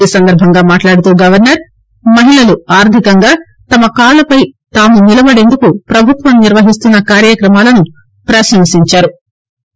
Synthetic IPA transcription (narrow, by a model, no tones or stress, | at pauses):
iːsɐnd̪ɐɾbʱɐŋɡaːmaːʈlaːɽut̪uːɡɐʋɐɾnɐɾ | mɐɦiɭɐluaːɾd̪ʱikɐŋɡaː | t̪ɐmɐkaːlɐpɐjt̪aːmunilɐbɐɽe̞nd̪ukupɾɐbʱut̪ʋɐmniɾʋɐɦist̪unːɐkaːɾjɐkɾɐmaːlɐnu | pɾɐʃɐŋsiɲt͡ʃaːɾu